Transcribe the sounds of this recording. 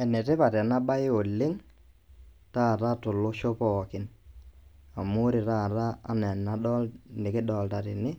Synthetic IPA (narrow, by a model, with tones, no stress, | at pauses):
ɛ˨nɛ˨tɪ˦pa˨ɾɛ˨na˦ɓa˦ɪ˦o˨lːɪ˦ŋ | ta˦˨ta˦tʊ˨lʊ˦ʃo˦pɔ˨kɪ˨n | a˨mʊ˦ɾɪ˨ta˦˨ɾa̰ː˦nɛ˨nːa˦ɗɔ˦lnɪ˨kɪ˦ɗɔ˨lta˨ɾɪ˨nɪ˦